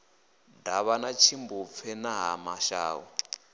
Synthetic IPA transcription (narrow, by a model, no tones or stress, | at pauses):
daβanat͡ʃʰimbup̪fʰɛnaɦamaʃa̰ːwɔ